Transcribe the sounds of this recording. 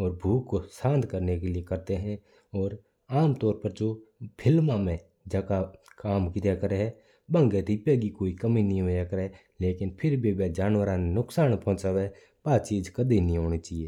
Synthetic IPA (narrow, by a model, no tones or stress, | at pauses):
ɔːɾbʱuːkːosãːnd̪kəɾnekelɪekəɾt̪eɦɛ̃ | ɔːɾ | aːmt̪ɔːɾpəɾd͡ʒopʰɪlmãmẽ | d͡ʒəkakaːmkɪt̪akəɾeɦɛ | bə̃ŋɡet̪ipɛːɡikoːikəminəɦĩɦoːjakəɾe | leːkɪnpʰɪɾbʱibad͡ʒaːnwəɾãnenʊksaːnpɔɦʊ̃t͡ʃaːʋe | baːt̪t͡ʃiːd͡ʒkəd̪inəɦĩɦoːñit͡ʃaːɦieː